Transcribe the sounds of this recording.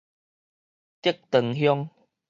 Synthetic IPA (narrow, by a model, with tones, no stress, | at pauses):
t̪i˦ək̚t̪ə˨˩ŋɦjɔ˦ŋ